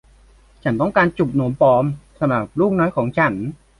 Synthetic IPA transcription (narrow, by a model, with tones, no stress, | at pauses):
t͡ɕʰa˦nt̪ɔ˥˩ŋkaː˧nt͡ɕu˨˩p̚noː˩˦mpɔː˧˥msa˧mɾa˨˩p̚luː˥˩k̚nɔː˦˥jkʰɔː˩˦ŋt͡ɕʰa˩˦˥n